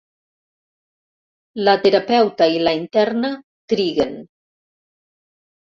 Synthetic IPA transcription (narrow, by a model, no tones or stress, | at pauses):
lat̪eɾapɛwt̪ailaint̪ɛrnə | t̪ɾiɣen